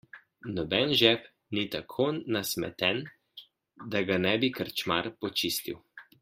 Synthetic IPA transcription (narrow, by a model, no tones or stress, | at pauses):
nɔbɛnʒɛp | nit̪akʰonasmɛ̰t̪ɛn | d̪aɡanɛbikəɾt͡ʃma̰ɾpɔt͡ʃist̪iw